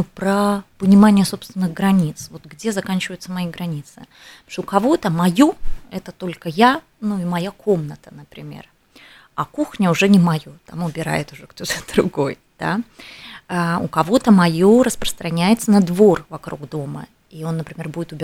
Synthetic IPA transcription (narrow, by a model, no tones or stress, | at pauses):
upɾəpənʲɪmanʲɪjəso̞pst̪vʲɪnːɨɣɡɾɐnʲit̪svo̞t̪ɡdʲe̞zɐkanʲt͡ɕɪvəjʊt̪səmɐiɡɾɐnʲit̪sɨ | ʂʊkɐvo̞t̪əmɐjoɛt̪ət̪o̞lʲkəja | nuimɐjakʰo̞mnət̪ənəpɾʲɪmʲe̞̰r | ɐkuxnʲəʊʐɛnʲɪmɐjo̞t̪amʊbʲɪɾa̰jɪt̪ʊʐɛkt̪o̞t̪ə̥d̪ɾʊɡoj | d̪̥a̰ | aʊ̰kɐvo̞t̪əmɐjoɾəspɾə̥st̪ɾɐnʲæjɪt̪sənɐd̪vo̞rvɐkɾṵɡd̪o̞mə̰ | io̞nːəpɾʲɪmʲe̞rbudʲɪt̪ʊbʲɪ